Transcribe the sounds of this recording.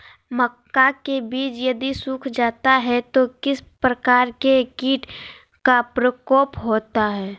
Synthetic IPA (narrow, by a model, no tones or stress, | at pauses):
məkːakebiːt͡ʃjɐd̪isuːkʰd͡ʒaːt̪aɦɛt̪okɪspɾəkaːɾkekiːʈ | kapɾəkɔːpɦoːt̪aɦɛː